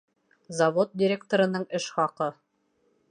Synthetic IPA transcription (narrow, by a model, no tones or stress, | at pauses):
zɐvot̪̚dʲɪɾʲek̚t̪oɾɤ̆nɤɴɘʃχɑqɤ